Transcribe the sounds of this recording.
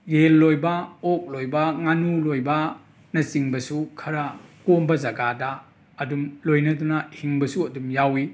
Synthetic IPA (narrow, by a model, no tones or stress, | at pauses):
jelːojbɐok̚lojbɐŋanulojbɐ | nɐsiŋbɐsukʰɐɾakombɐzɐɡadɐː | dumlojnɐtunɐhiŋbɐsuɐdumjawi